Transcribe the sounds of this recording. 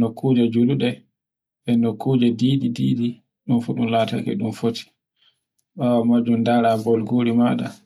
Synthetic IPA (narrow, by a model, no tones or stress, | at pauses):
nɔkʰːud͡ʒɛd͡ʒuluɗɛ | ɓɛnɔkʰːud͡ʒɛdiːdidiːɗi | ɗunfuɗumlaːta̰kɛ̰ɗumfotʰi̥ | ɓawamad͡ʒundaɾabɔlɡoɾimaːɗa̰